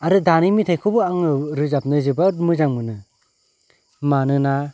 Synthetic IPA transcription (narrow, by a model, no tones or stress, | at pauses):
aɾɯdanimitʰajkʰɯbɯaŋɾɯzap̚nɯzɯbamɯd͡ʒaŋmɯnɯ | manɯna